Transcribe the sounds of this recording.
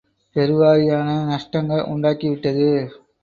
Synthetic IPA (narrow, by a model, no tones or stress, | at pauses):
pɛɾɯʋaːɾɪjaːnɐnɐʂʈɐŋɡɐɭʔʊ̰ɳɖaːkiʋɪʈːɐðɯ